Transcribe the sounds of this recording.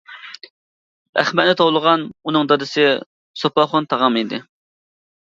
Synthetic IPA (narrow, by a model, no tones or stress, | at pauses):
æ̰χmɛt̪̚nɪt̪ʰowlˠəʁɑnunɨŋd̪ɑd̪ɨsɨ | sopɑχont̪ʰɑʁɑmid̪ɪ